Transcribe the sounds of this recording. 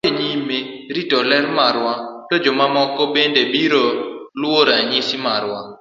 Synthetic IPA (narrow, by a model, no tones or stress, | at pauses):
eɲimːe | ɾitɔlɛɾmaɾwatod͡ʒɔmamɔkɔbendebiɾolwoɾaɲɪsimaɾwa